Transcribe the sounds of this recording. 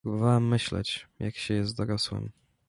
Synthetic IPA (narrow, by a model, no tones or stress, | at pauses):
ɾubɨvawɛmːɘɕlɛ̰t͡ɕjʔakɕɛjɛst̪̚d̪ɔɾɔswɛ̰m